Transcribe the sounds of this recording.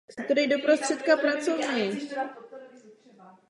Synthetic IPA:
sɛt̪odɪjdopɾost̪r̥ɛt̪kapɾat͡sovɲɛj

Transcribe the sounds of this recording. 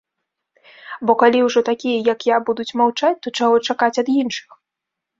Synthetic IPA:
bɔkalʲiwʐɔt̪akʲijɐjɐkjabud̪ut͡sʲmawt͡ʂat͡sʲt̪ɔt͡ʂaɣɔt͡ʂakat͡sʲɐd̪jinʂɨ̥x

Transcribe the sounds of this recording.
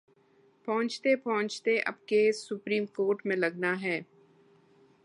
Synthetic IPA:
pɐɦʊ̃t͡ʃt̪epɐɦʊ̃t͡ʃt̪eʔɐ̰b̚kesʊpɾiːmkoːɾʈmẽlɐɡnaɦɛː

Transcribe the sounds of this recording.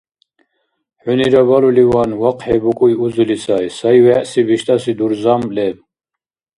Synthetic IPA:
ħuniɾaβalulivanwaqʼħɛbukʼujiuzulisʰajsajvɛʔsibiʃt̪ʼasid̪uɾzamlɛb

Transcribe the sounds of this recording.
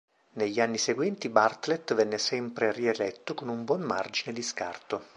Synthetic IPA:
neʎːianːiseɡwɛnt̪ibart̪let̪vɛnːesɛmpɾerielɛt̪ːokonumbwɔnma̰rd͡ʒined̪iska̰rt̪o

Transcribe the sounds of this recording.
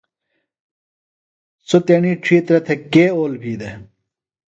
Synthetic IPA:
t͡sot̪eɳiːʈ͡ʂʰiːt̪ɾɐt̪ʰekeːoːlbʱiːd̪e

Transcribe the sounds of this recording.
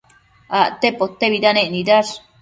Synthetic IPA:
aʔt̪epot̪ːeβid̪aneʔnid̪aɾ

